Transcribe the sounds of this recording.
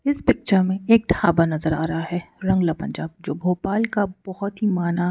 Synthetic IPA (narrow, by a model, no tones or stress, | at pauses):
ɪspɪk̚t͡ʃəɾmẽeːk̚ʈʰaːbanɐzəɾaːɾɐɦaɦɛɾɐ̃ŋɡlapɐ̃ɲd͡ʒaːb̚d͡ʒoːbʱoːpaːlkabɔhɔt̪ɦimaːna